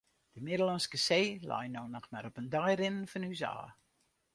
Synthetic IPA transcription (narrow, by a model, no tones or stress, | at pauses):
d̥əmɪdəlɑnskəseːla̰jnoːnɔxmaɾɔpəndajrɪnnfɔnysa̰ː